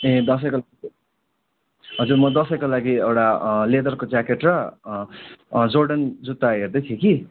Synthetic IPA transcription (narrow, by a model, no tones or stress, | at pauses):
ẽd̪ʌs̬ʌjkola | ɦʌd͡zurmʌd̪ʌsʌjkolaɡiewʈaled̪ʌrkod͡zakeʈrʌ | d͡zorɖʌnd͡zut̪ːaɦerd̪ʌjt̪ʰeki